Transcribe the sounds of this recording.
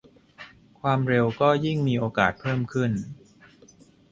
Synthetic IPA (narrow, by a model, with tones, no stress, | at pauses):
kʰwaː˧mɾe˧wkɔː˥˩ji˥˩ŋmiː˧ʔoː˧ka̰ː˨˩t̪̚pʰɤː˥˩mkʰɯ˥˩n